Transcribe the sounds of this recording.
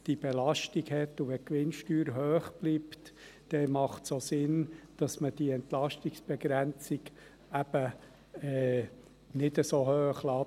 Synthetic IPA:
d̥ib̥ɛlɑʃtiɡhɛt̪ːuʋɛkʋɪnʃtyːɾɦøːχb̥liːpt | d̥ɛmɑχtsoːsɪnd̥ɑsməd̥iɛnt̪lɑʃtiksb̥ɛɡɾænt͡sɪɡ | æb̥ə | ɛː | nɪdəsohøːχlɑː

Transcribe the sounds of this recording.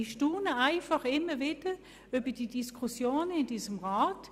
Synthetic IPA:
iʃtuːnəaɪfɑχɪmːəvɪd̥ə | ʏbəd̥idiskʰusjoːnəɪndiːsəmʁaːt

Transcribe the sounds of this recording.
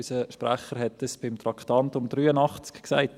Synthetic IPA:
ysəʃpɾæχəɾɦɛt̪əsb̥ɪmt̪ɾɑkt̪ɑntʊmd̥̪ɾyːənɑχt͡skksa̰ɪt

